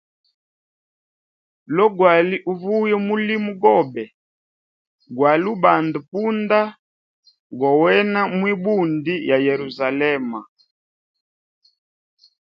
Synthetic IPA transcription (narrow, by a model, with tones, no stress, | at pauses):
lɔ˦ɡwa˨li˦ʔu˦˨vu˦jɛ˦mu˦li˦mu˦ɡɔ˦˨bɛ˨ | ɡwa˨lu˦ba˨ndu˨pu˦nda˦ | ɡɔ˨wɛ˦na˦mwi˦bu˦˨ndi˦ja˨jɛ˨ɾu˨za˨lɛ˦ma̰˨